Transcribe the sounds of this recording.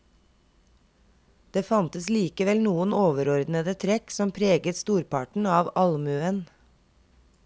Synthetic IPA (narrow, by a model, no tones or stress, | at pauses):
d̪̥eːfɑnt̪əsliːkəʋɛlnuːənoːʋəɾɔɾd̪nəd̪ət̪ʰɾɛksɔmpʰɾeːɡət̪st̪uːɾpɑ̰ʈɳ̩ɑːʋɑlmʉən